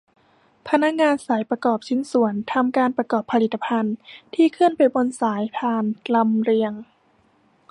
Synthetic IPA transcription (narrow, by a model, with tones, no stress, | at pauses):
pʰa˧na˦˥k̚ŋaː˧nsaː˩˦jpɾa˧kɔː˨˩p̚t͡ɕʰi˧˥˦nsu˩˦ənt̪ʰa˧mkaː˧npɾa˧kɔː˨˩pʰːa˧li˨˩t̪ːa˧pʰa˧nt̪ʰiː˧˩kʰɯ˥˩ənpa˨jbo˧nsaː˨˩˦jpʰaː˧˩nla˧mɾi˧əŋ